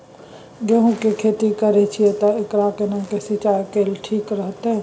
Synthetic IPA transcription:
ɡeɦũkekʰeːt̪ikəɾet͡ʃʰiet̪ɔɪkɾakenãkesit͡ʃaːjkeːlʈʰiːkɾəɦt̪ɦɛ

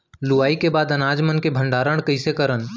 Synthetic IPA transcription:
luaːikebaːd̪ɐnaːd͡ʒmənkebʱə̃ɳɖaːɾəɽ̃kɐɪsekəɾən

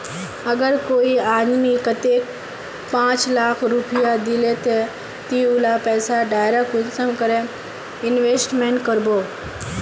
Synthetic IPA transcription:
ɐɡəɾkoːiaːnmikət̪eːk | pãːt͡ʃlaːkʰɾupijad̪ilet̪e | t̪iulapɛːsaɖaːɪɾakusəmkəɾẽ | ɪnʋeːsʈmẽːɳʈkəɾboː

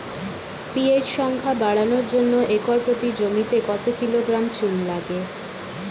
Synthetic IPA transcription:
pied͡ʑʃɔŋkʰabaɽanoɾd͡ʑonːoʔekɔɾpot̪id͡ʑomit̪ekɔt̪okiloɡɾamt͡ɕunlaɡe

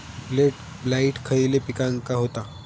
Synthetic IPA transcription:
bleʈ | blaiʈkʰəilepikaŋkaɦot̪a

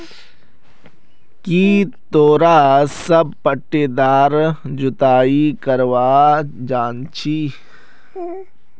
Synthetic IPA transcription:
kiːt̪oːɾaːsɐb̚pəʈːeːd̪aːɾd͡ʒʊt̪aːikɐɾʋaːd͡ʒaːnt͡ʃʰiː

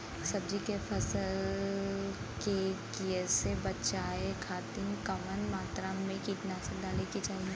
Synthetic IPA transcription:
sɐbd͡ʒikefʰɐsəl | kekiəsebɐtːt͡ʃaːekʰaːt̪ɪnkɐmənmaːt̪ɾamẽkɪt̪nasɐd̪ʱalekid͡ʒaːɦie

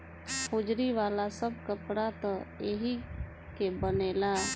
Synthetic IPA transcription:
pud͡ʒɾiʋaːlasəb̚kəpɽat̪ɔeɦi | kebəneːla

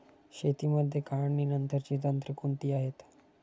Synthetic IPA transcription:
ɕet̪iːməd̪ʱːjekaɭənːiːnənt̪əɾt͡ɕiːt̪ənt̪ɾəkunt̪iːaɦet̪

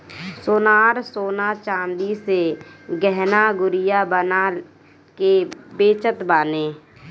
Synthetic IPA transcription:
soːnaːɾsoːnat͡ʃãːnd̪iseɡɛɦnaɡʊɾijabəna | kebeːt͡ʃət̪baːneː

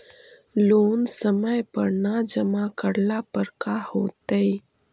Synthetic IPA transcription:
loːnsəməjpəɾnad͡ʒəmakəɽlapəɾkahoːt̪əi

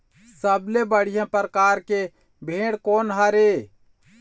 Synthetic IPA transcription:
səblebəɽ̤ijãpɾkaːɾke | bʱẽːɽkoːnɦəɾe

